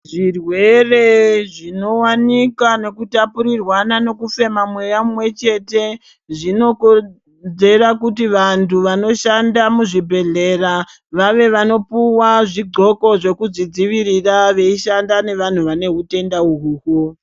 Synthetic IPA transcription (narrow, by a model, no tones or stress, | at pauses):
ʐirwe̞re̞ʐino̞wanikane̞kutapuɾirwanano̞kufe̞mamwe̞jamumwe̞t͡ʃe̞te̞ | ʐino̞ko | ze̞ɾakut̬iʋantʰuʋano̞ʃandamuʐibʱe̞ɮe̞ra | ʋaʋe̞ʋano̞puwaʐiɡ͡ǃo̞ko̞ʐe̞kud͡zid͡ziʋiɾiraʋe̞iʃandane̞ʋan̤uʋane̞ɦute̞ndauɦuːko